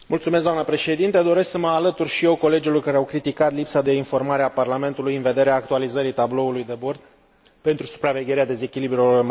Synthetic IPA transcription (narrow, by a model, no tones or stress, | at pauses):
mult̪sumes̬kd̪amnəpɾe̞ʃe̞d̪int̪ed̪o̞ɾesksəməalət̪urʲʃije̞wko̞le̞d͡ʒilo̞rkaɾeawkɾit̪ikat̪lipsad̪e̞info̞rmaɾeaparlame̞nt̪ulujɨnve̞d̪e̞ɾeaːk̚t̪ualizəɾit̪ablo̞ulujd̪ebo̞rd̪̚ | pe̞nt̪ɾusu̥pɾave̞ɡʲe̞ɾead̪e̞ze̞kʲilibɾulorm